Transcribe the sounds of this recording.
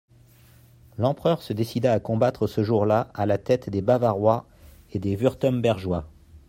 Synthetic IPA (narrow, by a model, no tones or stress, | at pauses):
lɑ̃pχœʁsəd̪esid̪aːkɔ̃bat̪χəsəʒuʁlaalat̪ɛt̪d̪ebavaʁwa | ed̪evyʁt̪ɔmbɛʁʒwa